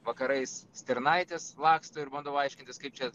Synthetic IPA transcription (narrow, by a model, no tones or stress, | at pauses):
ʋɐkɐɾɐɪssʲt̪ʲɛɾnɐɪt̪ʲeslˠɑːkst̪oːɪɾbɐnd̪oʋɐɪʃʲkʲɪnʲt̪ʲɪskɐɪp̚t͡ʃʲɛ